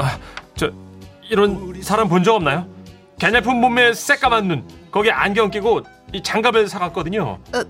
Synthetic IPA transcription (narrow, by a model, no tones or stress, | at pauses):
at͡ɕʌiɾʌnsʰaɾampond͡ʑʌɡʌmnajo | kenepʰɯmmume̥s͈ek͈amanːunkʌɡiʔanɡjʌŋk͈iɡo | it͡ɕaŋɡabɯɭsʰaɡak͈ʌdɯɲo̰